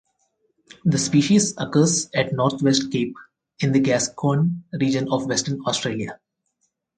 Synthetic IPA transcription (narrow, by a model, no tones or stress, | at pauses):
d̪əspiːʃizəkəːzɛʈnɔːɾt̪ʰʋesʈ̚keːp | ɪ̃nd̪əɡæːskʰõːnɾiːd͡ʒə̃nɔːʋʋɛsʈəɾnɔːsʈɾeːlia